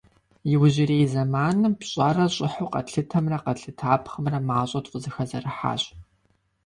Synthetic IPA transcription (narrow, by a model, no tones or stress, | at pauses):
jɪwʑɪreːjzɐmaːnɨmpɕʼɐrɐɕʼɪħuːqɐ̰tɬɨtʰɐmrɐqɐɬɨtʰaːpʰχəmrɐmaːɕʼɐtʼqʷʊzɨxɐzɐrɨħa̰ːɕ